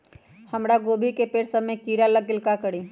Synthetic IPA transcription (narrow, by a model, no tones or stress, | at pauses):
həmɾaɡoːbʱikepeːɾsəmẽkiːɾaləɡ̚ɪlkakəɽi